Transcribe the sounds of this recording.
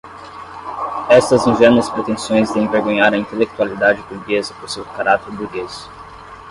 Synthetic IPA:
ɛst̪ɐzĩvɛɾnɐspɾet̪ẽsõj̃zd̪ẽẽveɾɡõɲaɾɐĩnt̪elek̚t̪ualid̪ad͡ʒɪbuɾɡezɐpoɾsewkaɾat̪eɾbuɾɡezʊ̥

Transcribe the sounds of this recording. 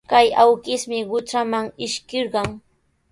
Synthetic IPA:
kajawkɪsmɪɢʊt͡ʃamaŋɪʃkɪɾɢɑŋ

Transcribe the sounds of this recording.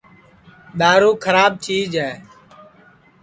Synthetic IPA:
ɗ̪aːɾuːkʰəɾaːb̚t͡ʃiːd͡ʒɦɛː

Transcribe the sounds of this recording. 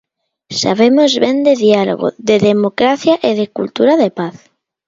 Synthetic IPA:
sa̰βemozβend̪eðialo̰ɣo̰ðeðemokɾaθjaʔeðekṵlt̪uɾaðepaθ

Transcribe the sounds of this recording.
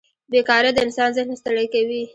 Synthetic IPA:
bekɑɾad̪əɪnsɑnzəxnast̪əɽəjkawi

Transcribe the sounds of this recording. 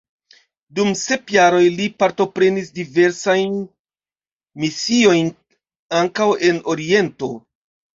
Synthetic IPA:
dumse̞pjaɾo̞jlipaɾto̞pɾe̞nisdive̞ɾsajn | misio̞jn | aŋkawe̞no̞ɾie̞nto̞

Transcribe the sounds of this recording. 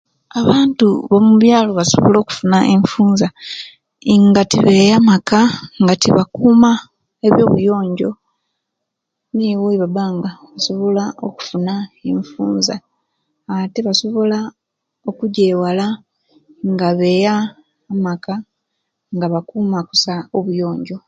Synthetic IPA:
aβaːntuβomuβjaːlo̞βaso̞̰βo̰lo̞ːku̥funaʔeɱfuːnza | iŋɡatiβe̞jamakaŋɡatiβakuːma | eβjo̞ːβujo̞ːɲɟo̞̰ | niwuiβabaːŋɡaβaso̞βo̞lao̰ku̥funaeɱfṵːnzaː | te̞βaso̞βo̞la | o̞kuɟewala | ŋɡaβe̞jaː | maka | ŋɡaβakuːmaku̥saoβujo̞ːɲɟo̞

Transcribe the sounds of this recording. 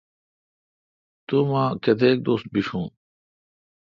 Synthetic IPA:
t̪umãːkʰed̪eːk̚d̪oːst̪̚biʂʰũː

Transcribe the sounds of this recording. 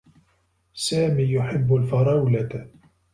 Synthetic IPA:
saːmiːjʊħɪbːʊlfɑɾˤɑwla

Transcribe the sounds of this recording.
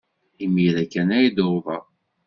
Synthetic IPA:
imiɾækːænæjd̪ovɑ

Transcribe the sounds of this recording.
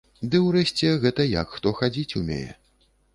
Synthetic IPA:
d̪ɨwrɛsʲt͡sʲɛɣɛt̪ɐjɐ̰kxt̪ɔxad͡zʲit͡sʲumʲḛjɛ̰

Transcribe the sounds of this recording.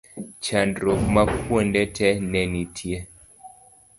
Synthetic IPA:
t͡ʃandɾokmakwɔndɛtʰɛnɛnitʰje

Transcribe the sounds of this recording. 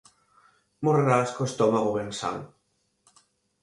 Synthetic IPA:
moɾraskost̪ɔmaɣoβensa̰ŋ

